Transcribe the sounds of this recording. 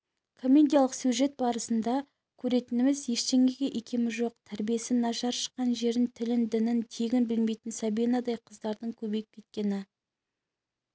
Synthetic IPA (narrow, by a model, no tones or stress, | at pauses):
kʰo̞mʲːe̞d̪ijalˠəqsjuʒe̞t̪̚bɑɾəsənd̪ɑ | kʲʰɵɾe̞t̪ɪnɪmɪzje̞ʃt̪e̞ŋɡʲeɡʲe̞ʔekʲe̞mɪʒo̞qt̪ʰæɾbije̞sɪnɑʃɑɾʃə̥qːɑnʒe̞ɾɪnt̪ʰɪlɪnd̪ɪnɪnt̪ʰe̞ɡʲɪnbɪlme̞jt̪ɪnsɑbijnɑd̪ɑjqʰəzd̪ɑɾd̪əɴkʲʰɵbe̞jɪp̚kʲʰe̞t̪̚kʲe̞nɪ